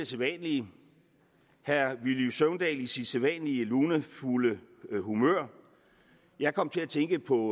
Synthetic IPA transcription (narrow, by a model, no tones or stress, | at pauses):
eselʋɛnli | hæɐʋiljusøʊnd̥ɛ̰ːlisid̥selʋɛnliəluːnəfuləhumø̰ɐ̰ | jɑ̈ɪkʰɒ̽m̰t͡sʰe̝æt͡sʰeŋɡ̥əpʰɒ̽